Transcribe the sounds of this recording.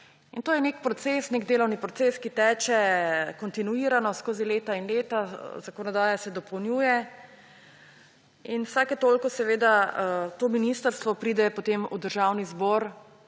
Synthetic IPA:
int̪oːjɛnekpɾɔt̪sesneɡd̪eːlɔwnipɾɔt̪seskit̪ɛːt͡ʃɛkɔnt̪inuiːɾanɔskoːzileːt̪ainleːt̪azakɔnɔd̪aːjasɛd̪ɔpɔwnjuːjɛ | inwsakjɛt̪oːlkɔsɛʋeːd̪at̪oːminist̪əɾst̪ʋɔpɾiːd̪ɛpot̪emṵd̪əɾʒawnizbɔːɾ

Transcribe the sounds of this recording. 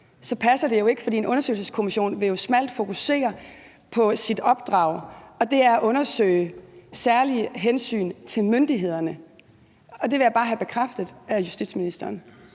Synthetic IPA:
sɒ̽pʰæsɐd̥e̝jo̝e̝ɡ̥ə̥fɒ̽d̥ḭːe̝nʔɔ̽nɐsø̰ɪlsəskʰo̝miɕo̝̰ːnʋe̝jo̝smæl̰d̥fo̝kʰuse̝̰ːɐ | pʰɒ̽sid̥ɒ̽b̥̚d̥ʁɑ̰̈ʊ̰ɒ̽d̥e̝æɐæʔɔ̽nɐsø̰ɪsæɐliɦensy̰ːnt͡sʰe̝lmønd̥iɦe̝ð̞̰ˠɐnə | ɒ̽d̥e̝ʋe̝jäb̥ɑ̈ːɦæb̥e̝kʰʁafd̥ð̞̩ˠæjusd̥ḭd̥sminisd̥ɐːn

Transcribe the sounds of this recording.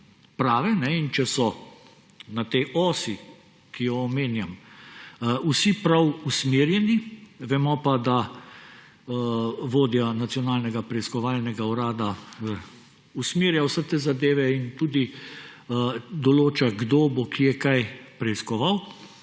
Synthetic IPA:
pɾaːʋɛnɛint͡ʃɛsɔ | nat̪eʔɔːsi | kijɔːmeːnjam | usipɾawusmeːɾjɛniʋɛmɔpad̪a | ʋoːd̪janat̪sijɔnaːlnɛɡapɾɛiskɔʋaːlnɛɡauɾaːd̪a | usmeːɾjawsɛt̪ezad̪eːʋɛint̪uːd̪i | d̪ɔloːt͡ʃaɡd̪oːbɔkʰijɛkajpɾɛiskɔʋaw

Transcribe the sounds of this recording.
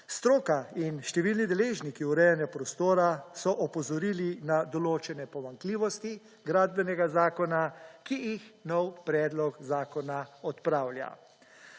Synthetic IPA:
st̪ɾoːkainʃt̪ɛʋilnid̪ɛleːʒnikiuɾɛjanjapɾɔst̪oːɾasɔʔɔpɔzɔɾiːlinad̪ɔloːt͡ʃɛnɛpɔmaŋkliːʋɔst̪i | ɡɾaːd̪bɛnɛɡazaːkɔnakijixnɔwpɾɛːd̪lɔkzaːkɔnaɔt̪pɾaːwlʲja̰

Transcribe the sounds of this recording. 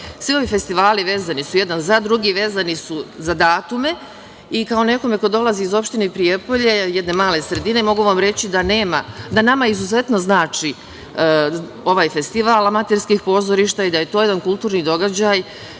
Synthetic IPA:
sʋio̞ʋife̞st̪iʋaːliʋe̞ːzanisuje̞d̪anzad̪ɾuɡiʋe̞ːzanisuzad̪aːt̪ume̞ | ikao̞ne̞ko̞me̞ko̞d̪o̞lˠaziːzo̞pʃt̪ineipɾijepo̞ʎe̞jed̪ne̞maːle̞sɾe̞d̪ine̞mo̞ɡuʋamɾe̞t͡ɕid̪aneːma̰d̪anamaizuze̞t̪no̞znaːt͡ʃi | o̞ʋaːjfe̞st̪iʋalamat̪eɾskixpo̞ːzo̞ɾiʃt̪aid̪aje̞t̪o̞ːje̞d̪ankulˠt̪uːɾnid̪o̞ɡad͡ʑaj

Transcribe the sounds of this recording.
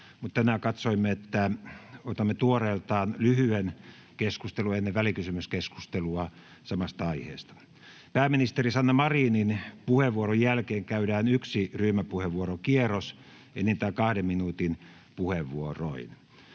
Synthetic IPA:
mut̪t̪ænæːkɑt̪soimːeet̪ːæot̪ɑmːet̪uoreːlt̪ɑːnlyhyen | keskust̪eluenːeʋʋælikysymyskesku̥st̪eluɑ | sɑmɑst̪ɑɑihḛːst̪ɑ̥ | pæːminist̪erisɑnːɑmɑriːninpuheʋːuorojjælkeːŋkæydæːnyksiryːmæpuheʋʋuorokieros | enːint̪æːkɑhdemminuːt̪in | puheʋːuoro̰in

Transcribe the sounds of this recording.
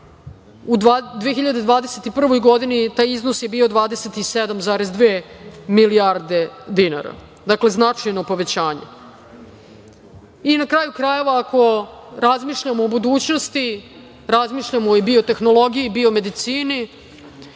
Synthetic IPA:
ud̪ad̪ʋeexiʎad̪e̞d̪ʋaːd̪eset̪ipr̩ʋo̞jɡo̞d̪init̪aːjizno̞sjebiːo̞d̪ʋaːd̪eset̪ised̪amzaːɾezd̪ʋeːmiliaɾd̪e̞d̪ina̰ɾa̰ | d̪akle̞znat͡ʂajno̞po̞ʋe̞t͡ɕaːɲḛ | inakɾaːjukɾaje̞ʋaːko̞ɾazmiːʃʎamoːbud̪uːt͡ɕno̞st̪i | ɾazmiːʃʎamojebiot̪e̞xnolˠo̞ɡijibio̞me̞d̪it̪siːni

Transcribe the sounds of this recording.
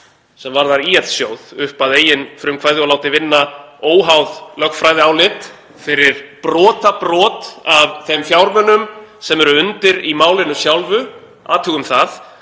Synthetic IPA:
sɛmvaɾðaɾiɛt̪sjoːwð̥ʏhpaðeːjɪnfɾʏmkʰvaːjðɪɔlaːwt̪ɪvɪnːaoːwɦawðlœxfɾajðɪawlɪt̪ | fɪɾɪɾ̥pɾɔːt̪apɾɔːt̪avθɛmfjawɾmœnːʏmsɛmɛɾʏʏnt̪ɪɾimaːwlɪnʏsjawlvʏ | a̰ːt̪ʰuːɣʏmθað

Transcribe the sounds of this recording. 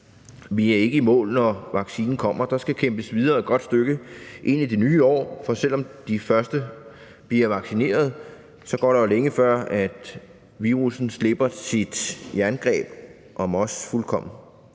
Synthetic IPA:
ʋiæɐe̝ɡ̥əimɔ̰̽ːlnɒʋɑ̈ɡ̥siːnn̩kʰɒ̽m̰ɐd̥ɑ̈sɡ̥ækʰemb̥əsʋið̞ˠɐːed̥ɡ̥ɒ̽d̥sd̥øɡ̥əʔe̝n̰id̥e̝nyːɒ̰ːfɒ̽sel̰ɒ̽md̥ifɶɐsd̥ə | b̥liɐʋɑ̈ɡ̥sine̝̰ːɐð̞ˠ | sɒ̽ɡ̥ɒ̰ːɾejoleŋəfɶɐ̰æd̥ | ʋiːʁusn̩sle̝b̥ɐsid̥jæɐnɡ̥ʁɛ̰ːb̥ | ʔɒ̽mɒ̽sfulkʰɒ̽m̰n̩

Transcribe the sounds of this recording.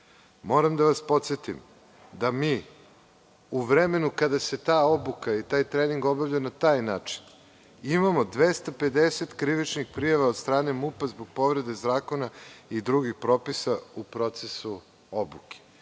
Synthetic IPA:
mo̞ːɾamd̪aʋaspo̞t̪set̪im | d̪amiː | uʋɾeme̞nukad̪ase̞t̪aːobukait̪aːjt̪ɾeːniŋɡo̞bavʎanat̪aːjnaːt͡ʃi̥n | imamo̞d̪ʋest̪ape̞d̪eset̪kɾiʋit͡ʃnixpɾijaʋaod̪st̪ɾaːne̞mupazboɡ̚po̞ʋɾe̞d̪e̞zaːko̞naid̪ɾuɡixpɾo̞ːpisaupɾo̞t̪se̞su | obuke̥

